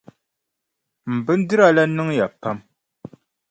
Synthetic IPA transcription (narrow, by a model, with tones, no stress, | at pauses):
m̩˨bɨ˦n̩˦dɨ˦ɾa˦˨la˦nɨ˦ŋja˨pa˦m